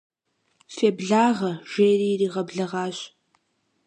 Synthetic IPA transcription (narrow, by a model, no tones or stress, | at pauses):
feːbɮaːʁɐʒ̥eːjriːriːʁɐbɮɐʁɑːɕ